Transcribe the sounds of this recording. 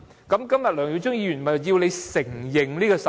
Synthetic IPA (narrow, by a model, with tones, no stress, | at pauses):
kɐ˨˧˥mkɐ˥mjɐ˨t̚lœː˨˩ŋji˨˧˥t͡sʊ˥ŋjiː˧ɥy˨˩mɐ˨ji˧wle˧jsɪ˨˩ŋjɪ˨˩ŋliː˥ɡɔ˧sɐ˨